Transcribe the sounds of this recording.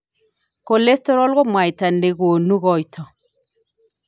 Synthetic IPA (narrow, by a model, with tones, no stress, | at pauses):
ko˨le˦stɔ˦ɾɔ˦lɣɔ˦mwa˨jta˨nde˨ɣo˨nu˦ɣɔ˦jtʰɔ˨